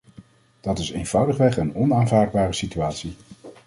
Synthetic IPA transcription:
d̥ɑtɪsejnv̥ʌwdəχʋɛχənɔnaːnvaːd̚baːrəsityaːtsi

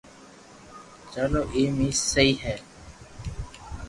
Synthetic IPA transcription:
t͡ʃəloːʔiːmiːssəiːɦɛː

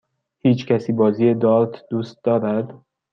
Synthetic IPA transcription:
hiːt͡ʃcʰæsiːbɒːziːjed̪ɒlt̪ʰd̪ust̪̚d̪ɒːɾæd̪

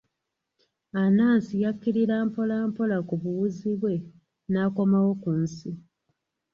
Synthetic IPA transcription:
anaːnsijakːiɾiɾaːmpo̞laːmpo̞lakuβuwuziβwe̞ | naːko̞mawo̞kunsi

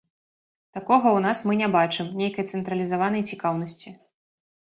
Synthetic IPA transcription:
t̪akɔɣɐwn̪asmɨnʲɛbat͡ʂɨmnʲejkɐjt̪sɛnt̪ɾɐlʲizavanɐjt͡sʲikawnɐsʲt͡sʲi

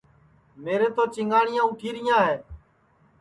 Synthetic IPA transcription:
meːɾẽːt̪oːt͡ʃɪŋɡaːɳɪjãːʊʈʰiːɾɪjãːɦɛː

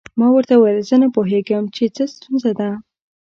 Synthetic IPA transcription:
mɑwəɾt̪awəjlzənapoɦeɡəmt͡ʃet͡səst̪unzad̪a

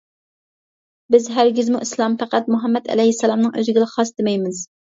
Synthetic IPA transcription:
bɪzɦæɾɡʲɪzmuʔislˠɑmpæqæt̪̚muɦɛmːɛd̪ɛ̰lɛjhɪsːɛlˠɑmnɨŋʔø̰zɡʲɪlˠɪχɑsd̪ɪmɛjmɪz

